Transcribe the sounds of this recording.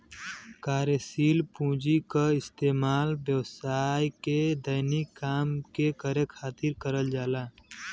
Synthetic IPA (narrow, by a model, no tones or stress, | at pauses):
kaːɾjəsiːlpũːd͡ʒikaɪst̪eːmaːlbjəwsaːjked̪əɪnikːaːmkekəɾekʰaːt̪iɾkəɾəld͡ʒaːlaː